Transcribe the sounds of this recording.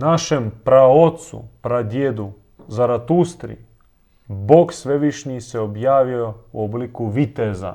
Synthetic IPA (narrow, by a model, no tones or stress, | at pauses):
naʃempɾaot̪sṵpɾad̪jed̪u | zaɾat̪ust̪ɾḭ | boksʋe̞ʋiʃɲiseo̞bjaːʋio̞uoblikuʋit̪eza̰